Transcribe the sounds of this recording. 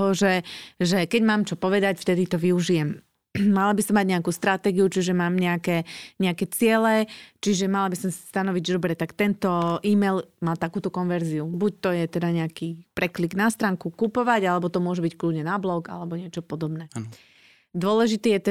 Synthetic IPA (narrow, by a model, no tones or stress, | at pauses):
ɦɔʒɛʒɛkɛɟmaːmt͡ʃɔpɔʋɛd̪acft̪ɛd̪it̪ɔʋiuʒijɛm | malabisɔmːaɟɲɛakust̪ɾat̪ɛɡiut͡ʃiʒɛmaːmɲɛakɛɲɛakɛt͡sɪɛlɛt͡ʃiʒɛmalabisɔmsḁst̪anɔʋiɟd̪ɔbɾɛt̪akt̪ɛnt̪ɔʔiːmɛlmaːt̪akuːt̪ɔkɔnʋɛɾziubuc̚t̪ɔjɛt̪ɛd̪aɲɛakipɾɛkliɡnast̪ɾaːŋkukupɔʋaɟalɛbɔt̪ɔmʊɔʒɛbickludɲɛnablɔɡa̰lɛbɔɲɪɛt͡ʃɔpɔd̪ɔbnɛ | d̪ʊɔlɛʒit̪iːjɛt̪ɛ